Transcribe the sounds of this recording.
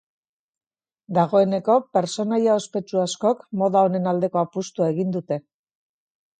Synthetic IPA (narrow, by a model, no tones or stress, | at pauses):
d̪aɣ̞o̞e̞ne̞ko̞pe̞ɾt͡so̞najao̞spe̞t͡ʃuasko̞kmo̞ðao̞ne̞nald̪e̞ko̞apust̪uae̞ɣind̪ut̪e̞